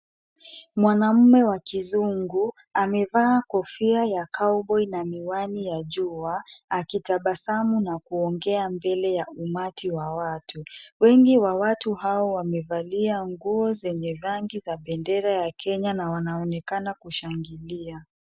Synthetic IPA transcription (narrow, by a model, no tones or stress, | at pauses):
mwanam̩mɛwakizuŋɡu | amɛvaːkɔfiajakaɔɓɔinamiwanijaʄuaakitaɓasamunakuɔŋɡɛambɛlɛjaumatiwawatʰuwɛŋɡiwawatuhaɔwamɛvaliaŋɡuɔzɛɲɛɾaŋɡizaɓɛndɛɾajakʰɛɲanawanaɔnɛkanakuʃaŋɡilia